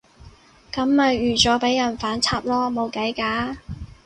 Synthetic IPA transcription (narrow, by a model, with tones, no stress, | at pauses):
kɐ˨˥mːɐ˨jɥyː˨˩t͡sɔː˨˥pe˨˥jːɐ˨˩nfaː˨˥nt͡sʰaː˧p̚lɔː˥mo˨˧wkɐ˨˥jkaː˨˥